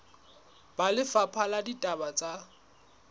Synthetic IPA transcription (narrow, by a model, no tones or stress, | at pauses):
b̥alɪfapʰaladitʼabat͡sʼa